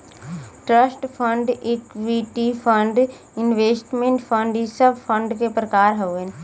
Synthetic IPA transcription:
ʈɾəsʈpʰə̃ɳɖɪkʋiʈipʰəɳɖ | ɪnʋeːsʈmẽɳʈpʰəɳɖisəbpʰə̃ɳɖkepɾəkaːɾɦoen

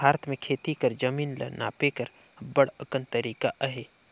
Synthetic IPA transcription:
bʱaːɾət̪mẽkʰeːt̪ikəɾd͡ʒəmiːnlə̰na̰ːpekəɾ | bəɽəkənt̪əɾiːkaʔɦeː

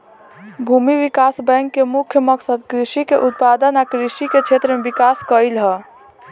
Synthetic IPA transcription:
bʱumiʋikasbɛ̃ŋkːemukʰjəməksəd̪kɾisikeʔut̪̚pad̪ənakɾiʃiket͡ʃʰet̪ɾəmebikaskəjlɦə

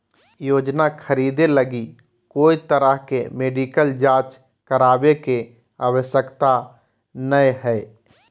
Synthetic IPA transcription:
joːd͡ʒnakʰəɾiːd̪eləɡi | koːit̪əɾəɦkemeːɖiːkəld͡ʒaːt͡ʃ | kəɾaːbeke | aːwəʃjəkt̪a | nəeɦɛː

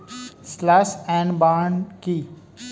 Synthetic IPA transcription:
slasɛ̃ːɳbaːɳki

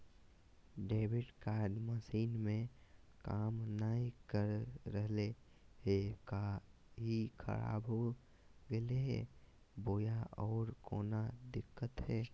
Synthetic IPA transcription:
ɖeːʋɪɖkaːɾɖməsiːnmẽkaːmnəɦĩkəɾɾəɦle | ɦeka | ɦikʰə̰ɾa̰ːbɦo | ɡeleɦɛ̰ː | boːjaɔːɾkoːnad̪ɪkːət̪ɦɛː

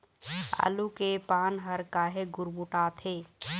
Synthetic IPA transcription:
a̰ːlukepaːnɦəɾkaɦeɡʊɾmuʈaːt̪ʰeː

